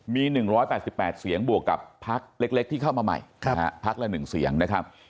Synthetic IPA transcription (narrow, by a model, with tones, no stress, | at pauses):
miː˧nɯ˨˩ŋɾɔː˦˥jpɛː˨˩t̪̚si˨˩pːɛː˨˩t̪̚si˨˩˦əŋbu˨˩əkːa̰˨˩pʰːa˦˥k̚le˦˥k̚le˦˥k̚t̪ʰiː˥˩a˥˩wmaː˧ma̰˨˩j̰ʰpʰa˦˥k̚lɛ˦˧˥nɯ˨˩ŋsḭ˩˦əŋna˦˥kʰa˦˥p̚